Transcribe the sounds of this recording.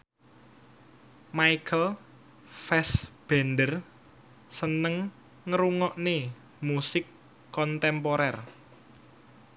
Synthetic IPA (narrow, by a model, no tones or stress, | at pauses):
maikʰəl | fɛsb̥ɛ̤nɖər | sənəŋː | əɾuŋɔʔne | musɪkː | ɔnt̪ɛmpoɾɛr